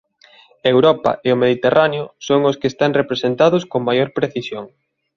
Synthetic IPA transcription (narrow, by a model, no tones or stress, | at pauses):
aewɾɔpa̰eʊmeðit̪erʔaneʊsoŋʊskest̪aŋrepɾesent̪aðʊskoŋmajoɾpɾeθisjoŋ